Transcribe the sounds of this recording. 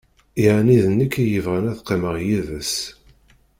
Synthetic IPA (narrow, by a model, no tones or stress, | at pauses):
iʕaniðənːəkːæjəvʁænæθqːeməʁjivəs